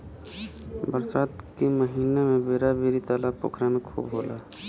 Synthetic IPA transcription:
bəɾsaːt̪keməɦiːnemẽbeːɾabeːɾit̪alapo̰ːkʰɾamẽkʰṵːbɦoːlaː

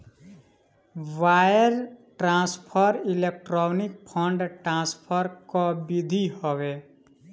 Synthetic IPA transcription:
ʋajəɾʈɾãːspʰəɾilek̚ʈɾɔːnɪk̚pʰɔ̃ɳɖʈɾãːspʰəɾkɔbid̪ʱihoʋe

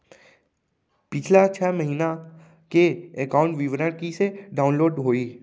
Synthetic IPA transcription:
pɪt͡ʃʰlat͡ʃʰɛːməɦiːna | keekaːʊ̃ɳʈʋɪʋɾəɽkiseɖaːʊ̃nloːɖɦoːiː

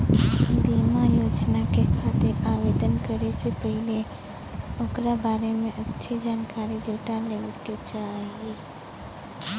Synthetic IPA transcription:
biːmajoːd͡ʒnakekʰaːt̪eɾaːʋeːd̪ənkəɾesepɛɦɪle | okɾabaːɾemẽʔɐtːʃʰid͡ʒaːnkaːɾid͡ʒoːʈaleːket͡ʃaːɦie

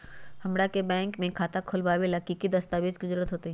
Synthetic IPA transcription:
hɐmɽakebɛ̃ːŋkmẽkʰaːt̪akʰʊlbaːʋelakikid̪ɐst̪aːʋed͡ʒkizəɾuːət̪ɦoːt̪iɦi

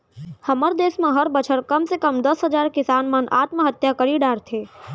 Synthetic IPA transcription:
hɐməɾd̪eːsmẽɦəɾbət͡ʃʰəɾkɐmsekəmd̪ɐsɦəd͡ʒaːɾkɪsaːnmənʔa̰ːt̪məɦət̪jakəɾiɖaːɾt̪ʰeː

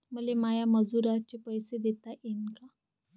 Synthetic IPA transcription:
m̤əlemajaməd͡zuɾat͡ɕepəjsed̪et̪aʔenka

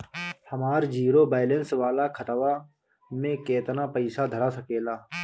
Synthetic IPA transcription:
hɐmaːɾd͡ʒiːɾobaːɪlẽnsʋaːlakʰɐt̪ʋa | mẽkeːt̪napəɪsad̪ʱəɾasəkeːlaː

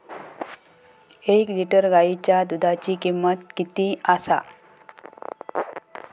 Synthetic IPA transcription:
ekliʈəɾɡait͡ɕjad̪ud̪ʱat͡ɕiːkimːət̪̚kit̪iːasa̰

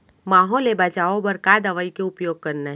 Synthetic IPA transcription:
maːɦõlebat͡ʃaːobɐɾkaːd̪ɐʋəikeʊpjoːɡ̚kɐɾna

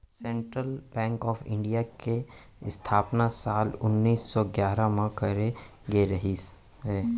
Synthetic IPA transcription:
sɛ̃ːɳʈɾəlbɛ̃ːŋkɔːfʰɪ̰̃ɳɖijake | ɪst̪ʰaːpnasaːlʊnːiːsːɔɡjaːɾamãkəɾe | ɡeɾɐɦi | ɦɛː

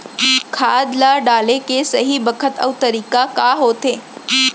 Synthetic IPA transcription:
kʰaːd̪laɖaːlekesəɦibəkʰət̪ə̰ʋt̪əɾiːkakaɦoːt̪eː

